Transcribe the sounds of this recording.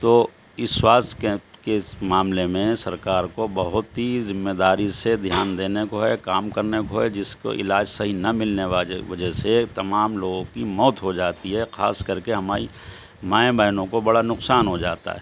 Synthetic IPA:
t̪oː | ɪswaːskekemaːmlemẽsɐɾkaːɾkobɐɦʊt̪ɦizɪmːed̪aːɾised̪ʱjaːnd̪eːnekoɦɛkaːmkɐɾnekoɦɛd͡ʒɪsko̰ʔɪ̰laːd͡ʒsɐɦinɐmɪlneʋaːlḛʋɐd͡ʒɛɦset̪ɐmaːmloːɡõkimɔːt̪ɦod͡ʒaːt̪iɦɛxa̰ːskɐɾkeɦɐmaːɾi | maːẽbəɪnõkobɐɽanʊqsaːnɦod͡ʒa̰ːt̪a̰ɦɛ

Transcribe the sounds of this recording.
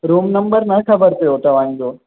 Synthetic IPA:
ɾuːmnɐ̃mbəɾnɐkʰɐbəɾt̪ɐjoːt̪ɐʋ̤ãːɲd͡ʒoː

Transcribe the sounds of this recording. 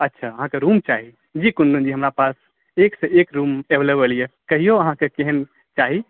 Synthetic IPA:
ətːʃʰaəɦãkeɾumt͡ʃaɦi | d͡ʒikunɖund͡ʒiɦəmɾapas | eksẽekɾumebʱlebəlijekəɦijoəɦãkekeɦən | t͡ʃaɦi

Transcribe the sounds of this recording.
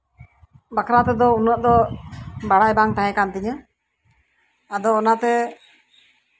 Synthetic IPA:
bakʰɾat̪ɛd̪ɔunəʔd̪ɔ | baɽajbaŋt̪aɦɛ̃kant̪iɲə | ad̪ɔːnat̪ɛ

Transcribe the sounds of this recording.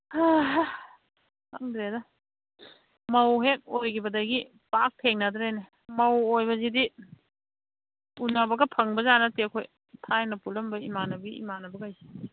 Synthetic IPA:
hɐŋdɾedɐ | mɐwɦek̚ojkʰibɐdɐɡi | pak̚tʰeŋnɐdɾejne | mɐwojbɐzidi | unabɐɡɐpʰɐŋbɐzanɐtekʰoj | tʰajnɐpulɐmbɐimanɐbiḭmanɐbɐɡɐajsi̥

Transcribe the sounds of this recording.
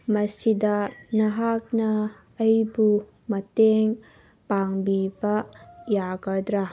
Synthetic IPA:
mɐsidɐnɐɦak̚nɐː | jbu | mɐteŋ | paŋbibɐjaɡɐd̪ɾa

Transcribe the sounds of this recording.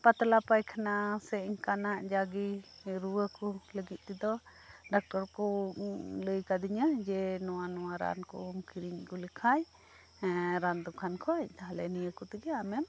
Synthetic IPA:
pat̪lapajkʰanasɛɲkanaʔd͡ʒaɡiɾuwəkuləɡit̪̚ˀt̪ɛd̪ɔɖak̚ʈɔɾkɔ | ləjkad̪iɲəd͡ʒɛnɔwanɔwaɾa̰nkɔ̰mkiɾiɲkulɛkʰaj | ɾand̪ɔkʰankʰɔact̪aɦalɛnijəkut̪ɛɡɛamɛm

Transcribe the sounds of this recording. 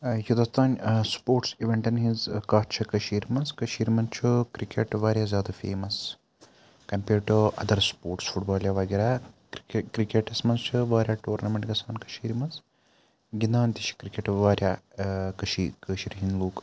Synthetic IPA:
jud̪ɐst̪ʰaːnspoːɾʈsiʋeɳʈɐnɦizkaːt͡ʃʰɐkɐʃiːɾmɐnskɐʃiːɾmɐnt͡ʃʰukɾikeʈʋaːɾjaːzjaːd̪ɐfḛːmɐs | kɐmpʲeːʈoʔɐ̰d̪ɐɾspoːɾʈsfuʈbaːljaːʋɐːɡɐɾaː | kɾikeʈɐsmɐnzt͡ʃʰuʋaːɾʲjaːʈoːɾnɐmeɳʈɡɐsaːnkɐ̥ʃiːɾimɐns | ɡinaːnt̪iʃʰi̥kɾikeʈʋaːɾjaːkɐʃiːkəːʃiɾɦinloːk

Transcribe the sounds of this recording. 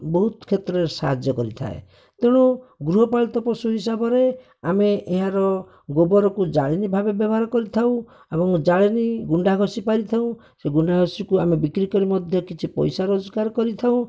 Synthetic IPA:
bɔɦut̪kʰet̪ɾeɾsa̰ɦad͡ʒjɔkɔɾit̪ʰa̰ḛ | t̪eɽ̃uɡɾuɦɔpaɭt̪ɔpɾɔsuɦis̬abɔɾe | ameʔeɦaɾɔ | ɡobɔɾɔkud͡ʒaɭinibʱabebjɔbɦaɾɔkɔɾit̪ʰaũ | ebɔŋd͡ʒaɭiniɡuɳɖaɡʱɔsipaɾit̪ʰaũ | seɡuɳɖʱaɡʱɔsikuamebikɾikɔɾimɔd̪ʱjɔkit͡ʃʰipɔ̰jsaɾod͡ʒɔkaɾkɔɾit̪ʰaũ

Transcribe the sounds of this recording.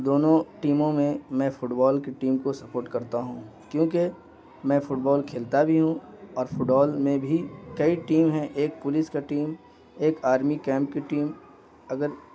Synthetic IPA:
d̪oːnõʈiːmõmẽmɛ̃ːfʊʈbɔːlkeʈiːmkosɐpoːɾʈkɐɾt̪aɦũːkjõːke | mɛ̃ːfʊʈbɔːlkʰeːlt̪abʱiɦũɔːɾfʊʈbɔːlmẽbʱikɐiʈiːmɦɛ̃ʔeːk̚pʊlɪskaʈiːm | eːkaːɾmikɛ̃ːmp̚keʈiːm | ɐɡəɾ

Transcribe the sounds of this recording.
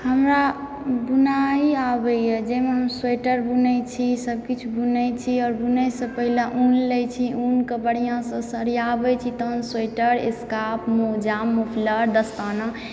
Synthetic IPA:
həmɾa | bunaiabəjɛd͡ʒemeɦəmswejʈəɾbunəjt͡ʃʰisəb̚kit͡ʃʰubunəjt͡ʃʰiɔːɾbunəjsə̃pəɦilaʔunləjt͡ʃʰiunkəbəɽ̤ijãsə̃səɾiabɛt͡ʃʰit̪əɦnseʈəɾḛskapmod͡ʒamːupʰləɾd̪əst̪ana

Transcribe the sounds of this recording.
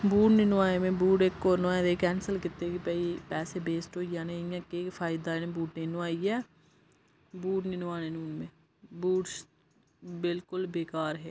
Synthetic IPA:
buːʈnɪnõaːemẽːbuːʈekːoːnoaːd̪eːkɛːnsəlkɪt̪ːeːkɪpɛːipɛːseːbeːsʈɦoːijãːnẽːɪjãːkeːpʰaːɪd̪aːnẽːbuːʈnɪnoaːiːɛː | buːʈnɪnõaːneːnuːnmẽː | buːʈs | bɪlkʊlbeːkaːɾɦɛː

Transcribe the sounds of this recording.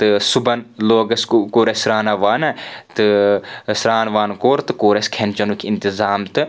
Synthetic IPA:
t̪ɨsubɐnloːɡɐskkoːɾesɾaːnaʋaːnat̪ɨsɾaːnʋaːnkoːɾt̪ɨkoːɾɐskʰent͡ʃɐnukʰʲɪnt̪ɪzaːmt̪ɨ

